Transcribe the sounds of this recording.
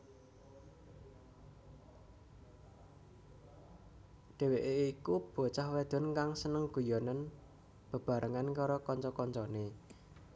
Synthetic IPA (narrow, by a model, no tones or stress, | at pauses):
ɖ̪̥e̤weʔeikub̥o̤t͡ʃahwɛd̪̥ɔ̤nkaŋsənəŋɡ̥ṳjɔnan | b̥ə̤b̥a̤ɾʔəŋankaɾɔkɔɲt͡ʃɔkɔɲt͡ʃɔne